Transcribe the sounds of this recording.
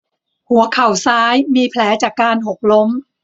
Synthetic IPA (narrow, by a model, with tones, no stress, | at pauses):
hu˨˩˦ɐkʰa˨˩wsaː˦˥jmiː˧pʰlɛː˩˦˥t͡ɕaː˨˩kːaː˧nɦo˨˩k̚lo˦˥m